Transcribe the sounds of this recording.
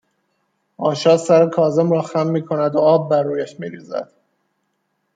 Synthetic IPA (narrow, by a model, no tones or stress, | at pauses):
ɒːʃɒːsæɾekʰɒːzemɾɒːxæmːiːkʰonæd̪oɒːb̚ːærːuːjæʃmiːɾiːzæ̰d̪̥